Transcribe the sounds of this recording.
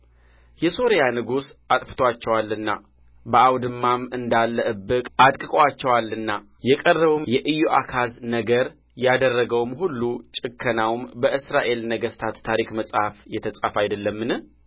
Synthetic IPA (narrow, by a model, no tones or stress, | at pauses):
jɛso̞ɾjanɨɡusat̪ʼfɨ̥t̪ʰowat͡ʃːɛwalːɨnːa | bəʔawd̪ɨmːamɨnd̪alːəʔɨbɨkʼʔat̪ʼkʼɨkʼwat͡ʃːɛwalːɨnːa | jɛkʼərːəβumjɛʔɨjoʔakʰaznəɡəɾ | jad̪ərːəɡəwmhulːut͡ʃʼɨkʰːənawmbəʔɨsɾaʔe̞lnəɡəst̪ʰat̪ʰːaɾikməsʼhafjɛt̪ʰəsʼafajd̪əlːəmːɨnɨ